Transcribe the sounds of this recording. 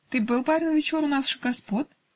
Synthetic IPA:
t̪ɨbɨlˠpavʲɪlˠvʲɪt͡ɕoɾʊnasʂɨɡɐspot̪

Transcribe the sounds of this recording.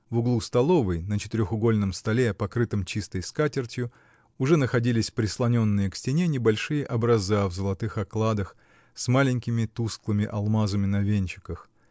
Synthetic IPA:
vʊɡlˠust̪ɐlˠo̞vəjnət͡ɕɪ̥t̪ɪɾʲoxʊɡo̞lʲnəmst̪ɐlʲeɐpɐkɾɨt̪əmt͡ɕist̪əjskatʲɪrtʲjʊ | ʊʐɛnəxɐdʲilʲɪsʲpɾʲɪslˠɐnʲo̞nːɨjəksʲtʲɪnʲe̞nʲɪbɐlʲʂɨjəʔɐbɾɐzavzəlˠɐt̪ɨxɐklˠad̪əx | smalʲɪnʲkʲɪmʲɪt̪usklˠɨmʲɪʔɐlˠmazəmʲɪnɐvʲenʲt͡ɕɪ̥kəx

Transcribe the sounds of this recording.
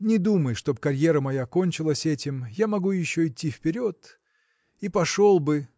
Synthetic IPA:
nʲɪd̪uməjʂt̪o̞bkɐɾʲjeɾəmɐjako̞nʲt͡ɕɪlˠəsʲɛtʲɪmjamɐɡujɪɕːoɪtʲːifpʲɪɾʲo̞t̪ | ipɐʂo̞lˠbɨ

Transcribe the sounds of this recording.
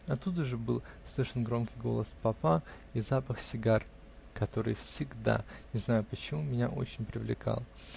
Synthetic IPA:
ɐt̪ːud̪əʐɨbɨlˠ | slʲˠiʂɨnɡɾo̞mkʲɪjɡo̞̰lˠəspɐpa | izapəxsʲɪɡar | kɐt̪o̞ɾɨ̰jfsʲɪɡd̪a̰ɪznajʊpət͡ɕɪmumʲɪnʲaʔo̞̰t͡ɕɪnʲpɾʲɪvlʲɪ̰kʰa̰lˠ

